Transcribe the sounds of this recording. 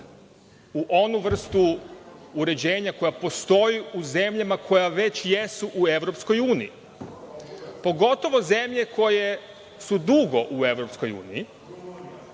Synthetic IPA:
uʔo̞nuʋr̩st̪uː | ɾe̞d͡ʑe̞ːɲako̞japo̞st̪o̞jiuze̞mʎamakʰo̞jaʋe̞t͡ɕje̞suʔue̞ʋɾo̞psko̞juːnii | po̞ɡo̞t̪o̞ʋo̞ze̞mʎe̞ko̞je̞ | sud̪uɡo̞ʔue̞ʋɾo̞psko̞jṵːniji

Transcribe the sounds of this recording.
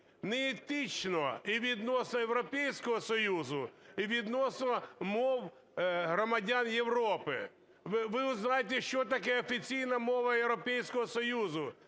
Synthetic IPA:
nɛɛt̪ɪt͡ʃnɔiʋʲid̪nɔsnɔjewɾɔpɛjsʲkɔɦɔsɔjuzʊiʋʲid̪nɔsnɔmɔw | ɦɾɔmɐdʲanjewɾɔpɪ̰ | ʋʋɪʊznajet̪̬ɛʃt͡ʃɔt̪ɐkɛɔfʲit͡sʲijnɐmɔʋɐjewɾɔpɛjsʲkɔɦɔsɔjuzʊ

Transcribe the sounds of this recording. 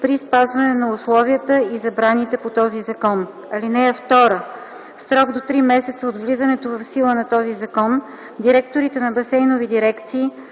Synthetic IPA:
pɾispazvɐnɛnɐʊslˠɔviət̪əizɐbɾanit̪ɛpot̪ɔzizɐkɔn | ɐlinɛɛft̪ɔɾə | sɾɔɡd̪ot̪ɾimɛsɛt̪səod̪vlizənɛt̪ovɐfsilˠənɐt̪ɔzizɐkɔn | d̪iɾɛk̚t̪oɾit̪ɛnɐbɐsɛjnovid̪iɾɛkt̪siː

